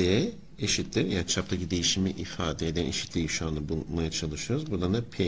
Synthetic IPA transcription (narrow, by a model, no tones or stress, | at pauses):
ejɛ | eʃit̪ʰlʲiɾjat͡ʃʰap̚t̪ʰacid̪e̞jiʃimiʔifaːd̪ɛed̪ɛnḛʃi̥t̪ʰlʲiʃuand̪abumajat͡ʃʰalˠɯʃɯjo̞ɾuzbud̪and̪apʰe